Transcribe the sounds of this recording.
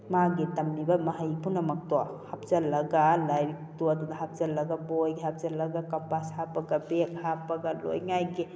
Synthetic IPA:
maɡitɐmnibɐmɐɦɐjpunɐmɐk̚tɔahap̚zɐlːɐɡalaj | tuadudaɦap̚zɐlːɐɡabojɡiɦap̚zɐlːɐɡakampashapɐɡabekhapaɡalo̰jŋajɡi

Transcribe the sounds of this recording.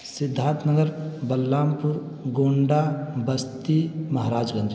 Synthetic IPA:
sɪd̪ʱːãːnt̪nəɡəɾbɐlːaːmpuɾ | ɡoːɳɖabəst̪imɐɦɾaːd͡ʒɡə̃nd̪

